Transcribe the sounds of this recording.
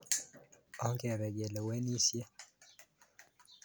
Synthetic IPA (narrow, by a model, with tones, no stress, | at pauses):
ɔ˦ŋkɛ˨ɾɛ˨ɡe˨lɛ˨wɛ˦ni˦sje˦